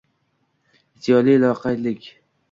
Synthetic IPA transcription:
ɪt̪ʰːijɒlilˠɒqʰalɪkʲ

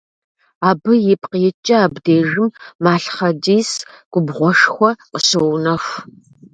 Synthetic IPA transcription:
aːbɨjɪpqijɛt͡ʃʼɐaːbdeːʒɨmːaːɬχɐdiːs | ɡ̥ʷʊbʁʷɔʂxʷɔqəsɨwnɐxʷ

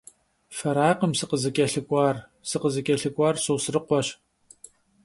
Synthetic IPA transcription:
fɐɾaːqəmsɨqəzɨkʲʼɐɬɨkʷʼɑːrsɨqəzɨkʲʼɐɬɨkʷʼɑːrɕɨwsɨrɨqʷɔɕ

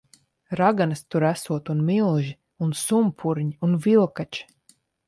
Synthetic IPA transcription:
ɾaɡanɨst̪uɾæsuɔt̪unmilˠʒi | unsumpʰuɾɲiunvilˠkat͡ʃi̥

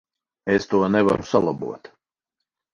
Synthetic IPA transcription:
est̪uɔnɛva̰ɾusalˠabṵɔt̪

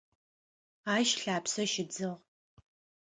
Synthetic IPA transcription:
aːʃɬaːpsɐʃɪd͡zɨʁ

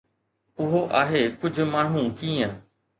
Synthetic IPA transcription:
ʊɦoʔaːɦeːkʊd͡ʑʱʊ̆maːɳ̤ũkiːə̃

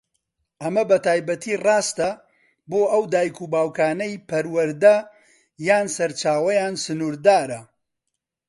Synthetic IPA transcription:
ʔɐmɐbɐt̪ʰaːjbɐt̪ʰiːrɑːst̪ɐ | boːʔɐwd̪aːjkuːbaːwkʰaːnɐjpʰɐɾwɐɾd̪ɐ | jaːnsɐɾt͡ʃaːwɐjaːnsɨnuːɾd̪aːɾɐ

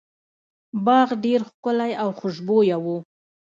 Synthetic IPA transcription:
bɑɣɖeɾxkʊlajawxʊʒbojawu

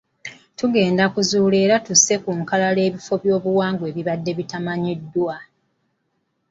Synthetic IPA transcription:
tuɡe̞ːndakuzuːle̞ːɾatuse̞kuŋkalale̞ːβifo̞βjo̞ːβuwaːŋɡwe̞ːβiβadːe̞βitamaɲidːwa

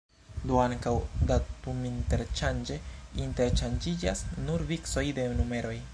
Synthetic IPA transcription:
doaŋkawdatuminte̞ɾt͡ʃand͡ʒe̞inte̞ɾt͡ʃand͡ʒid͡ʒasnuɾvikso̞jde̞nume̞ɾo̞j

